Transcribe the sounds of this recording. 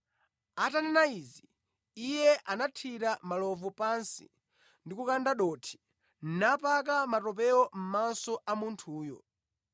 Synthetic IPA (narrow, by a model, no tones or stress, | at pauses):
atanɛnaizi | ijɛʔanatʰiɾamalɔvɔpansḭ | ndikukandaɗɔtʰi̥ | n̩napak̬amatɔp̬ɛɔm̩mansɔʔamuntʰuːjɔ̰